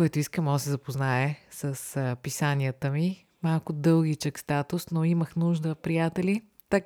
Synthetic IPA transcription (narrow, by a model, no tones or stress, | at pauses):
kɔjt̪ʊiskəmɔsɛzɐpoznaɛsəspisaniət̪əmi | malˠkʊd̪ɤlˠɡit͡ʃəkst̪at̪ʊsnoiməxnuʒd̪əpɾijat̪ɛli | t̪ak